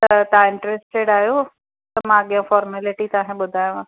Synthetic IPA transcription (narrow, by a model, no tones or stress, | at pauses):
t̪ɐt̪aɪ̃ɳʈɾesʈeɽaːɦjo | t̪ɐmãɐɠijãfɔːɾmɛːlɪʈit̪ɐãːɦẽɓʊd̪ʱaːjũ